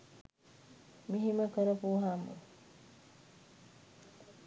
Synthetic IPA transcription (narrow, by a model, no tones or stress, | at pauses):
miɦiməkəɾɐpuːɦamṵ